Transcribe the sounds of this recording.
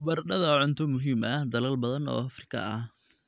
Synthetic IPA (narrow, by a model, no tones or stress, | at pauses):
bɐrɖɐðɐʕʊnt̪ʰʊmʊɦiːmʔɐhd̪ɐlɐlbɐðɐnɔ̰ːɐfrɪkʰɐ̰ɐh